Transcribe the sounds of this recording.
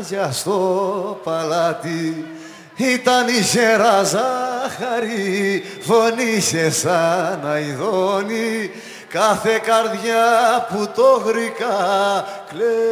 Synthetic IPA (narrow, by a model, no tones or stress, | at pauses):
ʝɐst̪opɐlat̪i | it̪ɐniçeɾɐzɐxɐɾi | fonisesɐnɐiðoni | kɐθekɐɾðʝaput̪oɣɾikɐ | kle